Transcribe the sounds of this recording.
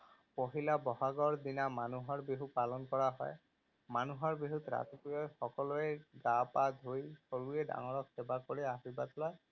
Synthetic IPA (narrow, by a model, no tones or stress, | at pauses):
poɦilabɔɦaɡɔɹd̪inamanuɦɔɹbiɦupalɔnkɔɹaɦɔ̰j | manuɦɔɹbiɦut̪ɾa̰t̪ipijɔjxɔkɔlɔeɡapad̪ʱujsoɹueda̰ŋɔɹɔksebakoɹiaɦibat̪lɔj